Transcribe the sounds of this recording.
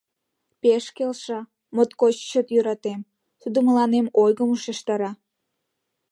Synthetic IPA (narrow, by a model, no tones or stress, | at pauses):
peʃkelʃɑ | mot̪kot͡ɕt͡ɕət̪jøɾɑt̪em | t̪ud̪oməlɑnemojɣəmuʃeʃt̪ɑɾɑ